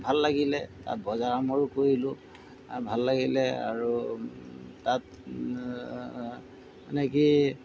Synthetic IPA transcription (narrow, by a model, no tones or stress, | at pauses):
bʱalːaɡilɛta̰t̚bɔzaɹamɔɹukoɹilʊ̃ | bʱalːaɡilɛa̰ɹu | tat | ɛnɛki